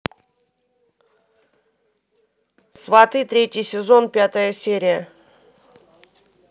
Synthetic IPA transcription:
svat̪ɨt̪ɾʲetʲɪjsʲɪzo̞npʲat̪əjəsʲeɾʲɪjə

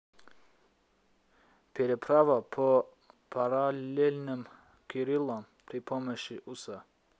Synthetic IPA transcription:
pʰɛɾɛpʰɾavapʰo | pʰaɾalelʲnim | kʰiɾilˠɔm | pɾipʰɔmɛʃiʔusa

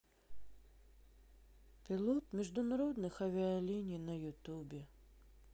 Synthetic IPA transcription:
pʲɪlˠot̪mʲɪʐd̪ʊnɐɾod̪nɨxɐvʲɪalʲinʲijnɐjʊt̪ubʲɪ

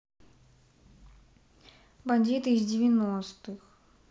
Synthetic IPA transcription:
bɐnʲdʲit̪ɨːzdʲɪvʲɪnost̪ɨx

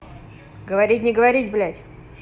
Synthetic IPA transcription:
ɡəvɐɾʲitʲnʲɪɡəvɐɾʲitʲblʲætʲ

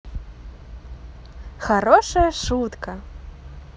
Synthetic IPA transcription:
xaɾɔʂɐjɐʂut̪kɐ

